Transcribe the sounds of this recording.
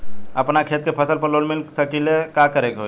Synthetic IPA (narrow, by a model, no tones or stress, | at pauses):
əpnakʰeːt̪̚kepʰəsəlpəɾloːnmɪlsəkilekakəɾekɦo